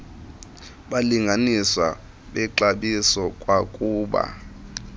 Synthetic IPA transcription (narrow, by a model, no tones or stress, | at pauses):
ɓaliŋɡʱaniswa̰ | ɓɛǃaɓisɔkʼwakʼuːɓa̰